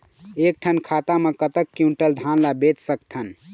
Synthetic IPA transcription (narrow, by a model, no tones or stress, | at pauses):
ek̚ʈʰənkʰat̪amekət̪əkːjũɳʈəld̪ʱanlabet͡ʃsəkt̪ʰən